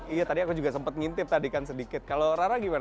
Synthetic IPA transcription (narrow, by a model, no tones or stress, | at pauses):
ijat̪adiakud͡ʒuɡasəmpət̪̚ŋint̪ɪp̚t̪adikansədikɪt̪̚kaloɾaɾaɡiman